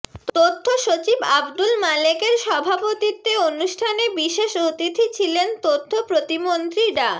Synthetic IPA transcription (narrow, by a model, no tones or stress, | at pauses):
t̪ot̪ʰːoʃot͡ɕibabd̪ulmalekeɾʃɔbʱapot̪it̪ːeonuʃʈʰanebiʃeʃot̪it̪ʰit͡ɕʰilent̪ot̪ʰːopɾot̪imont̪ɾiɾa